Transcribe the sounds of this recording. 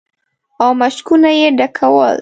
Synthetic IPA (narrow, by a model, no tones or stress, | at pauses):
awmaʃkunajeɖakʰawə̰l